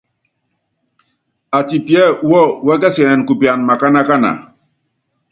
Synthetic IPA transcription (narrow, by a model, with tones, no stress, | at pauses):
a˨ti˨pjɛ˦˨˦wɔ˦˨wɛ˦k̬ɛ˦sɛ˨nɛ˨n˨ku˨pja˨nma˨ka˦na˦ka˦na̰˨